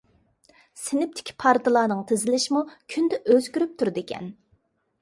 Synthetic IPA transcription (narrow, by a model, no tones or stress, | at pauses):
sɪnɪp̚t̪ʰɪ̥kʲʰi̥pʰɑɾt̪ʰɨlˠɑːnɨŋt̪ʰɪzɪlɪʃimukʲʰynd̪ɛʔøzkʲyɾyp̚t̪ʰuɾd̪ɪkʲʰɛ̰n